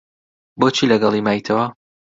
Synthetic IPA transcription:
bot͡ʃʰiːlɐɡɐlˠimaːjt̪ʰɐwɐ

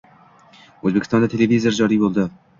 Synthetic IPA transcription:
ɵzbekʲʰɪst̪ɒnd̪at̪ʰe̞levizeɾd͡ʒɒɾijbolˠd̪ɪ

